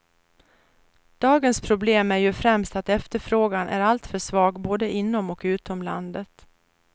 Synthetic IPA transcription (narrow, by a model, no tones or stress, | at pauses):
d̪̥ɑːɡənspʰɾʊbleːmæɾjɵfɾɛmst̪at̪ɛft̪əɾfɾoːɡanʔæ̰ɾalt̪fœʂvɑːɡboːd̪əʔɪnːɔmɔkʉ̟ːt̪ɔmla̰nd̪ət̪